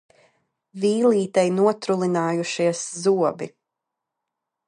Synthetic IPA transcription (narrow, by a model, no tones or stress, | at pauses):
viːliːt̪ɛjnuɔt̪ɾulˠinaːjuʃiɛszuɔbḭ